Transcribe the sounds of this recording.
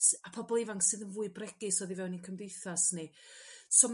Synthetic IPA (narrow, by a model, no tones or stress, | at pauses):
tapʰɔbɔlˠivaŋksɨðənvuːɨbrɛɡ̥ɪsɔðivɛwninkʰəmdejθasnɪsom